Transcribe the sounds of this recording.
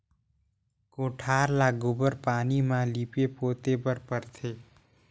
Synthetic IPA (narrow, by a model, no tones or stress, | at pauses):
koːʈʰaːɾlaːɡʊbəɾpaːnimãːliːpepoːt̪ebəɾpəɾt̪ʰeː